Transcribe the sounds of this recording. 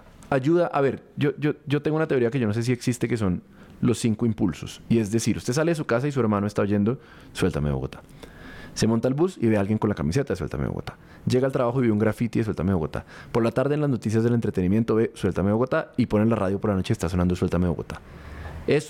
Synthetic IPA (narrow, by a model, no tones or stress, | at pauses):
aʝuðaʔaβe̞ɾd͡ʒod͡ʒoɟ͡ʝo̞t̪eŋɡounat̪eo̞ɾiake̞ʝo̞no̞s̬e̞s̬ie̞ksist̪e̞kes̬o̞n | lo̞sːiŋkoimpulso̞sie̞zd̪e̞siɾust̪e̞saleðes̬ukas̬ais̬ue̞ɾmãnoest̪aoʝe̞nd̪o̞ | swe̞lt̪ame̞βoɣo̞̰t̪ḁ | se̞mont̪albusiβe̞alɡje̞ŋkonlakamise̞t̪aðeswelt̪a̰mḛo̰o̰t̪ḁ | d͡ʒe̞ɣaːlt̪ɾaβaxoiβeuŋɡɾafit̪ieswelt̪a̰meβoɣo̞̰t̪a̰po̞ɾlat̪aɾðeːnlaznot̪is̬jazðd̪elent̪ɾe̞t̪e̞nimje̞nt̪o̞βe̞swe̞lt̪ameβo̞ɣot̪aipo̞nelaraðjo̞po̞ɾlano̞t͡ʃe̞eːst̪as̬o̞nãnd̪oswelt̪ameβoɣo̰t̪ḁ | e̞s